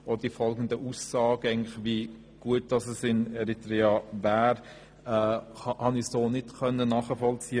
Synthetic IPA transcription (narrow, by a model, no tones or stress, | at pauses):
od̥ifɔlɡən̩dəʔusːɑːɡ̥əæɪɡŋnlɪxʋi | ɡ̥uət̚d̥ɑsɛsɪnɛɾitɾɛɑvæːɾ | ɛhɑnisdoːnɪtkʰœnːənɑːχəfɔlt͡siə